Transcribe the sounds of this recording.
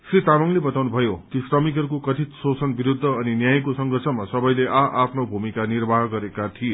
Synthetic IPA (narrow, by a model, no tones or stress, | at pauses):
srit̪amʌŋlebʌt̪awnubʱʌjokisrʌmikɦʌɾukokʌt̪ʰit̪sosʌnbiɾud̪ʱːʌːninjajkosʌŋɡʱʌrt͡sʰʌmasʌbʌjleʔaʔapʰnobʱumikanirbʱaɦɡʌɾekat̪ʰie